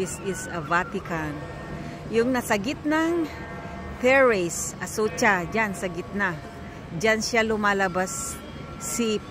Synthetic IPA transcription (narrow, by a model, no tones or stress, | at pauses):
ɪsɪsɐvat̪ɪkan | jʊŋnɐsɐɡɪt̪̚naŋ | t̪ɛɹesʔɐsut͡ʃad͡ʒansɐɡɪt̪̚na | d͡ʒanʃalʊmalabasː | ip